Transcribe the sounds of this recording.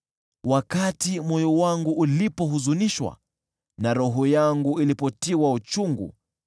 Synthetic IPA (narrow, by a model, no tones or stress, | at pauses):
wakatimɔjɔwaŋɡuʔːlipɔɦuzuniʃwa̰ | naɾɔɦɔjaŋɡuilipɔtiwaut͡ʃuŋɡṵ